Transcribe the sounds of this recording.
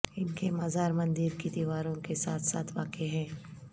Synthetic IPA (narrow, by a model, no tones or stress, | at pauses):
ɪnkemaːzaːɾmɐ̃nd̪ɪɾkid̪iʋaːɾõkesaːt̪ʰsa̰ːt̪ʰʋaːkeɦɛ̃ː